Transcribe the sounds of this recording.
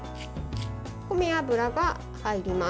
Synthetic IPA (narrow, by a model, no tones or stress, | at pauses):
komiabɯ̟ɾaɡa | haiɾʲima